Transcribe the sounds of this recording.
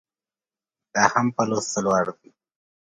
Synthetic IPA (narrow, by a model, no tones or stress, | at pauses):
d̪̥ɑːhampalost̪alwɑɽd̪i